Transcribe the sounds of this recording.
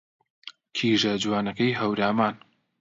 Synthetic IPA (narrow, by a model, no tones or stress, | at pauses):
kʰiːʒɐd͡ʒwaːnɐkɐjɦɐwɾaːmaːn